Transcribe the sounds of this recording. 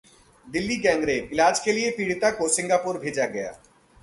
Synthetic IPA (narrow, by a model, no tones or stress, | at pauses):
d̪ɪlːiɡɛ̃ːŋɡɾebɪlaːd͡ʒkʰeːliepiɽt̪akosɪ̃ŋɡapuɾbʱeːd͡ʒaɡɛja̰ː